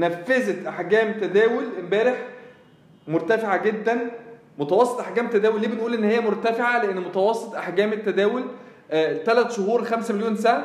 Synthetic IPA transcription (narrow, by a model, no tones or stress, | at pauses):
næfːezæt̪ʔaħɡæːmt̪æd̪æːwelembæːɾeħ | moɾˤt̪æfeʕaɡed̪ːæn | mot̪æwɑsˤːet̪ʔaħɡæːmet̪ːæd̪æːwelːiːbenʔuːlʔenːhejːæmoɾˤt̪æfeʕaleʔenːmot̪æwɑsˤːet̪ˤʔaħɡæːmet̪ːæd̪æːwel | t̪ælæt̪ʃohuːɾxæmsæmeljoːnsæʕæ